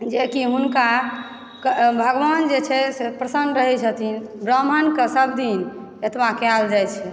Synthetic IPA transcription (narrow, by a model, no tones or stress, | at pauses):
d͡ʒekiɦunka | kbʱəɡʋand͡ʒet͡ʃʰɛsepɾəsənd̪ɾəɦɛt͡ʃʰət̪inbɾəmənkesəbd̪in | et̪mãkald͡ʒajt͡ʃʰɛ